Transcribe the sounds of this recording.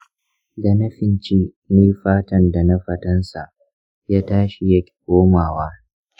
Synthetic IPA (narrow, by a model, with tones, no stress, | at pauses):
da˨nɐ˦ɸɪ˨nt͡ʃiː˦ | nɪ˦ɸaː˦tɐ˦nda˨na˦ɸɐ˦tɐ˦nsa˨ʔ | jaː˦taː˦ʃi˨jɐ˦kʲi̥˨kʷoː˦maː˨waː˦